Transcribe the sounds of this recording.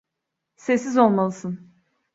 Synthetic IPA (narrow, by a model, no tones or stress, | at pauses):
sɛsːizo̞lˠmalˠɯsɯn